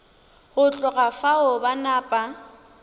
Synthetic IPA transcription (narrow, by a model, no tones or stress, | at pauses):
ɣʊt͡ɬʼʊɣafaʊbanaːpʼa